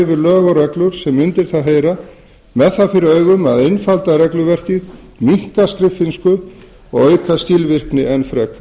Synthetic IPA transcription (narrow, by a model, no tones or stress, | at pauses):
vɪɾlœːɣɔɾɛklʏɾ̥sɛmʏnt̪ɪɾ̥θaðɦeːjɾa | mɛðθaðfɪɾɪœːɥɣʏmaðenfalt̪aɾɛklʏvɛr̥t̪ið | miŋ̥kask̪ɾɪfɪnskʏ | ɔɣœːɥkast̪iːlvɪr̥knɪɛnfɾɛk